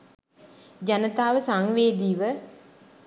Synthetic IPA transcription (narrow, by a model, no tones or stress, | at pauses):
d͡ʒanət̪aːʋəsaŋʋeːd̪iːʋə